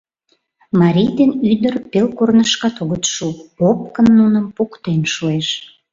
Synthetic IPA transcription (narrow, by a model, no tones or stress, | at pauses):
mɑɾʲijd̪enyd̪ərpelkornəʃkɑt̪oɣət̪ʃupop̚kənːunəmpukt̪enʃueʃ